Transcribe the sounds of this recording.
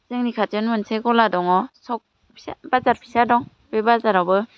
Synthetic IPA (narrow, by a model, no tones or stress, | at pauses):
zɯŋnikʰatɯnmɯnsʰeɡɔladɔŋɔsɔk̚ | pʰsbazaɾpʰi̥sadɔŋ | b̥ebazaɾɔbɯ